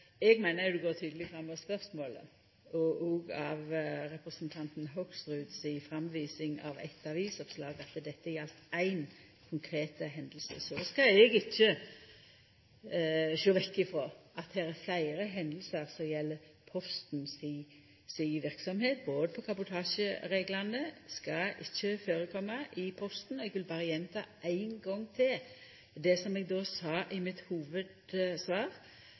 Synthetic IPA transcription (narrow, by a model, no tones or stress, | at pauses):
ɛɡmæɪnəɾjʊd̪ɛɡoːt̪ʰyːd̪əlɪɡfɾɑmːɔspœɾsmoːlə̰ | ɔʔɔːɡɑʋɾɛpɾəsənt̪ʰɑnt̪n̩ɦɔksɾʉːd̪sɪfɾɑmʋiːsɪŋɑ̰ʋɛ̰t̪ːɑʋiːsɔpslɑːɡɑt̪d̪ɛt̪ːəjjɛlt̪æɪn | kʰʊŋkʰɾeːt̪əɦɛnd̪l̩sə̰sɔskɑɛɡɪçːə | ʃøːʋɛkːɪfɾoːʔɑt̪̚d̪ɛɾæɾflæɪɾəɦɛnd̪l̩səɾsɔjɛlːə | pʰɔst̪ns | siʋɪʁksɔmheːt̪̚boːd̪əpʰɔkʰɑbʊt̪ʰɑːʃəɾeːɡlɑnəskɑʔɪçːəføːɾəkʰɔmːəʔɪpʰɔst̪n̩ɛɡʋɪlbɑːɾəjɛmːt̪ʰɑ̰ːʔæɪnɡɔŋːt̪ʰɪl | d̪ɛsɔmɛɡ̚d̪oːsɑːʔɪmɪt̪huːʋəd̪sʋɑːɾ